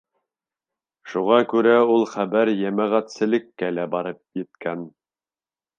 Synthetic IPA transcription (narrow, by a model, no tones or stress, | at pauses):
ʃuʁɑkʉɾæulˠχæbæɾjæmæʁæt̪sɘ̆lɘ̆kːælæbɑɾɤp̚jɘ̆t̪̚kæn